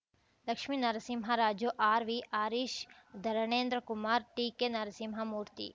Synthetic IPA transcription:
lɐkʃminɐɾɐsimɦaɾaːd͡ʒjoʔaːɾʋiʔaːɾiːʃ | d̪ʱɐɾɐɳeːnd̪ɾəkumaːɾʈiːkenɐɾɐsimɦamuːɾt̪ḭ

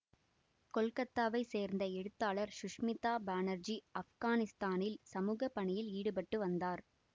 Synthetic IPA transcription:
kɔlkɐt̪ːaːʋɐɪseːɾnd̪ɐɛɽɯt̪ːaːɭɐɾʃʊʂmɪt̪ːaːbaːnɐɾd͡ʒiɐfɣaːnɪst̪aːnɪlsɐmuːɣɐpːɐɳɪjɪliːɽɯpɐʈːɯʋɐnd̪aːɾ

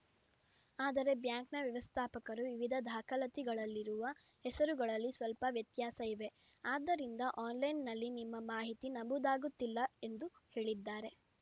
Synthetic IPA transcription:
aːd̪ɐɾe̞bjaːŋknɐʋjɐʋɐst̪ʰaːpɐkɐɾuʋiʋid̪ʱɐd̪ʱaːkɐlɐt̪iɡɐɭɐlːiɾuʋɐ | hɛsɐɾuɡɐɭɐlːisʋɐlpɐʋjɐt̪jaːsɐiʋe̞ | aːd̪ːɐɾind̪ɐʔaːnlɐjnːɐlːinimːɐmaːɦit̪inɐbud̪aːɡut̪ːilːɐe̞nd̪uhe̞ːɭid̪ːaːɾe̞

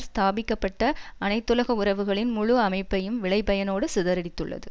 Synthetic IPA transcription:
st̪aːbɪkːɐpːɐʈːɐɐnɐɪt̪ːɯlɐɣɐʊrɐʋɯɣɐɭɪnmʊɻʊɐmɐɪpːɐjɯmʋɪɭɐɪpːɐjɐnoːɽɯsɪðɐɾɐɽɪt̪ːɯɭːɐ̰ðɯ

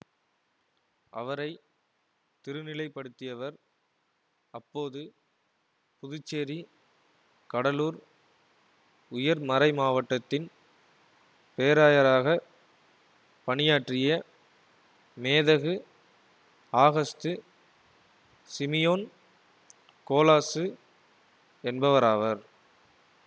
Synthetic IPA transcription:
ʔɐ̰ʋɐɾɐɪ | t̪ɪɾɯnɪlɐɪpːɐɽɯt̪ːɪjɐʋɐɾ | ɐpːoːðɯ | pʊðʊt͡ʃːeːɾi | kɐɽɐluːɾ | ʊjɐɾmɐɾɐɪmaːʋɐʈːɐt̪ːɪn | peːɾaːjɐɾaːɣɐ | pɐɳɪjaːʈrɪjɐ | meːðɐɣɯ | aːɣɐst̪ɯ | sɪmɪjoːn | koːlaːsɯ | ɛnbɐʋɐɾaːʋɐɾ

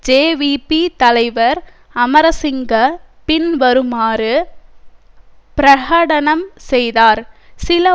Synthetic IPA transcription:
d͡ʒeːʋipit̪ɐlɐɪʋɐɾ | ɐmɐɾɐsɪŋɡɐpɪnʋɐɾɯmaːɾɯ | pɪɾɐɣaːɽɐnɐmsɛjðaːɾsɪlɐ

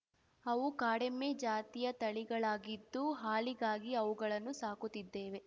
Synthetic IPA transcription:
ɐʋukaːɽemːeːd͡ʒaːt̪ijɐt̪ɐɭiɡɐɭaːɡid̪ːuɦaːliɡaːɡiɐʋuɡɐɭɐnːusaːkut̪ːid̪ːe̞ːʋe̞

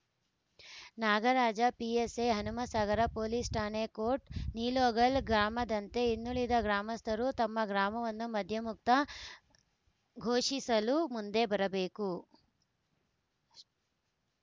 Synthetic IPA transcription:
naːɡɐɾaːd͡ʒɐpieseɦɐnumɐsaːɡɐɾɐpoːlisʈaːnekoːʈniːloːɡɐɭɡɾaːmɐd̪ɐnt̪e̞inːuɭid̪ɐɡɾaːmɐst̪ʰɐɾut̪ɐmːɐɡɾaːmɐʋɐnːumɐd̪ʱjɐmuk̚t̪ɐ | ɡʱoːʂisɐlumund̪e̞bɐɾɐbe̞ːku

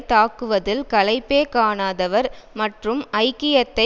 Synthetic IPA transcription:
t̪aːkɯʋɐðɪlkɐlɐɪpːeːkaːnaːðɐʋɐɾmɐʈrɯmɐɪkːɪjɐt̪ːɐ

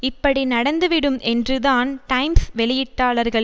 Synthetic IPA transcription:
ɪpːɐɽinɐɽɐnd̪ɯʋɪɽɯmʔɛndrɯðaːnʈɐɪmsʋɛɭɪjɪʈːaːɭɐɾɣɐɭ

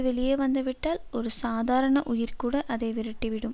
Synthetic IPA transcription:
ʋɛɭɪjeːʋɐnd̪ɐʋɪʈːaːlɔɾɯsaːðʱaːɾɐɳɐʔʊjɪɾkuːɽɐʔɐðɐɪʋɪɾɐʈːɪʋɪɽɯm

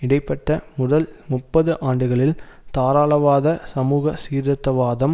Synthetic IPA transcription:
ɪɽɐɪpːɐʈːɐmʊðɐlmʊpːɐðɯʔaːɳɖɯɣɐɭɪlt̪aːɾaːɭɐʋaːðɐsɐmuːɣɐsiːɾðɐt̪ːɐʋaːðɐm

